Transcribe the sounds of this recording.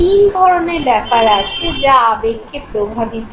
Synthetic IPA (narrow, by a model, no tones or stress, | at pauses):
ind̪ʱɔɾonebɛkaɾaʃʰed͡ʑaabekkepɾobʱabit̪